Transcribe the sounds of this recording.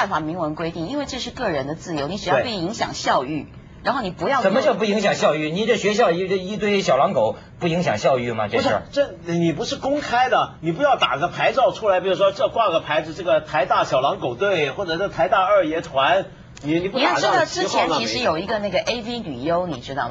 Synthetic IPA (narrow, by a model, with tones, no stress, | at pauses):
nfa˨˩mi˧˥ŋwə˧˥nkwe˥ɪt̪i˥˩ŋi˥nwe˥˧ɪʈ͡ʂɤ˥˧ʂɻ̩˥˧kɤ˥˩ɻə˧˥nd̪ə˧t͡sɹ̩˥˩jo˧˥ʊni˧˥ʈ͡ʂɻ̩˨˩jʊpi˧˥ŋɕjɑ̰˨˩ŋɕjɑ˥˧ʊy˥˩ | ɻa˧˥nxo˥˩ʊni˨˩pu˧˥jɑ˥˧t͡sə˨˩nmə˦t͡ɕjo˥˧ʊp̬u˥˩i˧˥ŋɕ̬jɑ˨˩ŋɕjɑ˥˧ʊy˥˩ni˨˩ʈ͡ʂə˧˩ɕɥɛ˧˥ɕ̬jɑ˥˧ʊ˥˧i˥t̪we˥˧ɪɕjɑ˨˩ʊlɑ˧˥ŋko˨˩ʊ | pu˥˩i˧˥ŋɕ̬jɑ̰˨˩ŋɕjɑ˥˧ʊy˥˩mɐ̰˩ʈ͡ʂe˥˧˥ə̰˞˥˩ʈ͡ʂə˥˩˨ni˨˩p̬u˧˥ʂɻ̩˥˩kʊ˥ŋkʰa˥ɪd̪ə˨ni˨˩p̬u˧˥jɑ˥˩ʊt̪a̰˨˩ɡə˦pʰa˧˥ɪʈ͡ʂɑ˥˧ʊʈ͡ʂʰu˥la˧˥ɪpi˨˩u˥˩ʂwɔ˥ʈ͡ʂɤ˥˧kwa˥˧ɡə˩pʰa˧˥ɪd͡zɹ̩˧ʈ͡ʂɤ˥˩ɡə˩t̪ʰa˧˥ɪt̪a˥˩ɕjɑ˨˩ʊlɑ˧˥ŋko˨˩ʊt̪we˥˩ɪxwɔ˥˩ʈ͡ʂɤ˨˩ʈ͡ʂɤ˥˩t̪ʰa˧˥ɪt̪a˥˧ə˞˥˩jɛ˧˥t̪ʰwa˧˥n | ni˨˩ni˨˩pu˥˨jt̪ɻ̩˥˧t̪ɑ˥˩ʊʈ͡ʂɻ̩˥t͡ɕʰjɛ˧˥t͡ɕʰi˧˥ʂɻ̩˧˥jo˨˩ʊi˧˥ɡə˧na˥˩ɡə˩ʔe˥ɪvi˥ly˨˩jo˥ʊni˨˩ʈ͡ʂɻ̩˥ɑ˥˩